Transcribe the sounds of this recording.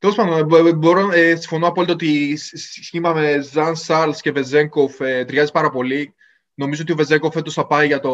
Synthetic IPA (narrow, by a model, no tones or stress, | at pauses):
t̪e̞lospɐnd̪onboɾoesĩ̥ɱfo̞noɐpo̞lit̪ɐot̪issçimɐmezɐnsɐɾlscevezeŋkofet̪ɾɐzipɐɾɐpo̞li | no̞mizooiove̞zeŋkofet̪osɐpɐiʝɐt̪o